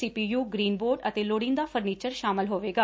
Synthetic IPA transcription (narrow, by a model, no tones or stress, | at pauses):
siːpiːjuːɡɾiːnboːɾɖət̪eːloːɽɪ̃nd̪aːfʰəɾniːt͡ʃəɾʃaːmɪlɦoːʋeːɡaː